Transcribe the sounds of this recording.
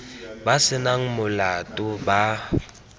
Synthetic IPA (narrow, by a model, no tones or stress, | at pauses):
basɪnaŋ̩mʊlatʼʊba